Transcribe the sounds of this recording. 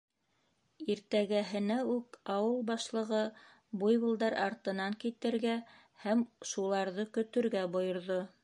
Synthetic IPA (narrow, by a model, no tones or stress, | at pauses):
iɾt̪æɡæɦɘ̆næʉkɑwɤlˠbɑʃlˠɤ̆ʁɤ | bujβɤ̆lˠd̪ɑɾɑ̰ɾt̪ɤ̆nɑŋkit̪ɘ̆ɾɡæ | hæmʃulˠɑɾðɤkɵ̆t̪ɵ̆ɾɡæbŏjŏɾðo